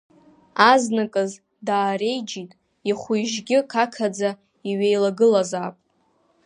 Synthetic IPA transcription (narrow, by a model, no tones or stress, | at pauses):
aznakʼɨz | daːɾe̞jd͡ʒitʼ | iχʷujʒɡʲɪkʰakʰad͡za | iɥejlaɡɨlazaːpʼ